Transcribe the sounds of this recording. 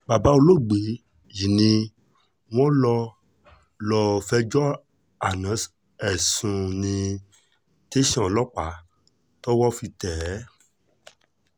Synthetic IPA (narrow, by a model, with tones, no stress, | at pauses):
ba˨ba˨˦o˧lo˦˨ɡ͡be˨˦ | ji˨nĩ˧ | w̃ɔ̃˦lɔ˧ | lɔ˧fɛ˧d͡ʒɔ˦ | a˨nã˨˦s | ɛ˨sũ˧nĩ˧ | te˦ʃɔ̃˦˨lɔ˦k͡pa˨˦ | tɔ˦wɔ˦fi˧tɛ˨˦